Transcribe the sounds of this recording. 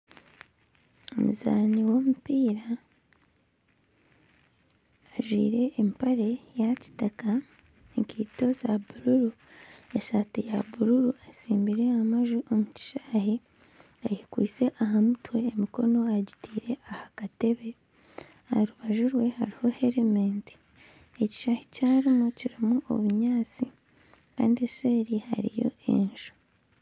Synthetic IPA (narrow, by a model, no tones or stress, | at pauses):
o̰muza̰ːniwo̞mupiːɾa | ʒwḭːɾe̞ːmpaɾe̞jaci̥taka | eŋkiːto̞zabuɾuɾu | eʃatijaβuɾuɾuasiːmbiɾe̞amaʒuʔomuci̥ʃḁːhi | ajikwiːt͡se̞ʔaɦamutwe̞ːmiko̞no̞aɟi̥tiːɾe̞ʔahakate̞βe̞ | aɾuβaʒuɾwe̞ha̰ɾiho̞he̞ɾemeːnti̥ | e̞ci̥ʃaːhi̥caːɾimuciɾimuo̞̰βuɲaːt͡si | ka̰ːndiese̞ːɾiha̰ɾḭjo̞̰ʔe̞̰nʒo̥